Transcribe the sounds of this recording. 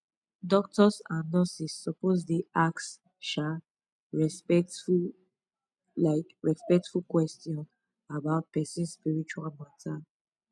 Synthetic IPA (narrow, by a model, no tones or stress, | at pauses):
dɔk̚tɔsãnɔsisːɔpos̬deaks | ʃa | ɹ | laɪkɹɛspɛk̚tfukwɛstjɔ̃n | abaʊt̚pɛsĩnspiɹit͡ʃualmɔ̃tʰal